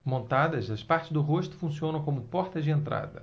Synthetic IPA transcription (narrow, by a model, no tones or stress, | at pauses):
mõnt̪ad̪ɐzd̪ɐspaɾt͡ʃɪzd̪ʊɦoʃt̪ʊ̥fũsiõnɐ̃w̃kõmʊpɔɾt̪ɐzd͡ʒɪẽnt̪ɾa̰d̪ɐ̰